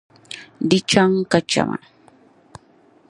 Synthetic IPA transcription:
dɪt͡ʃaŋkat͡ʃa̰ma̰

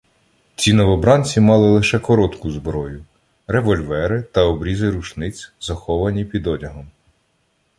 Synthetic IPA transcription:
t͡sʲinɔʋɔbɾɑnʲt͡sʲimɑlˠɪlˠɪʃɛkɔɾɔt̪kʊzbɾɔjʊ | ɾeʋɔlʲʋɛɾɪt̪ɐɔbɾʲizɪɾut͡ʃnɪt͡sʲzɐxɔʋɐnʲipʲid̪ɔdʲɐɦɔm

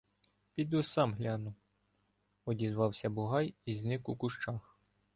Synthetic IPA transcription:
pʲid̪usɑmɦlʲɑnʊw | ɔdʲizʋɑwsʲɐbʊɦɑjizʲnɪkukʊʃt͡ʃɑx

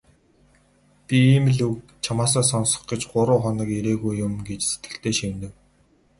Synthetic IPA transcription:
pʲiiːm̆ɮuk̚ | t͡ɕʰamaːs̬ɔːsɔnsɞ̥̆χɡ̥ɪ̆t͡ɕɢʊɾʊːχɔnə̆keɾeːɣujːʊmɡet͡ɕse̥t̪ɡɘ̆ɬt̪eːʃint̪ɘ̆w

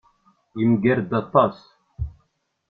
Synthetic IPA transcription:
imɡæɾd̪ɑt̪ˤːɑs

